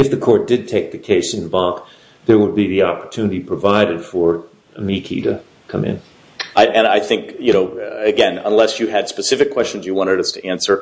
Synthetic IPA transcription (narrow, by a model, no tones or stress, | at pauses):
ɨfðɨkʰɔɹt̚d̥ɨd̚tʰeɪk̚ðɨkʰeɪsɨ̃nbɑ̃k | ðə˞wəd̚biðiɑpə̥˞tʰʉnɨɾipʰɹ̥ɨvaɪɾɨd̥fə˞ | əmikʰḭɾɨ | kʰʌ̃mɪ̰̃n | aɪʔɨ̃naɪθɪ̃ŋkjɨnoʊɨɡɛ̃nə̰̃nlɛsjɨɨd̥spɨsɪfɨkʰw̥ɛst͡ʃn̩zjɨwɑ̃ɾ̃ɨɾʌstʰɨʔæ̃nsə˞